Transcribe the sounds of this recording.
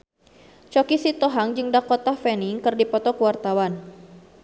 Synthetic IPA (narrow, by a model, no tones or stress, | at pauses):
t͡ʃɔkisit̪ɔɦaŋd͡ʒɨŋdakɔt̪afɛniŋkɨrdipɔt̪ɔkəwart̪awan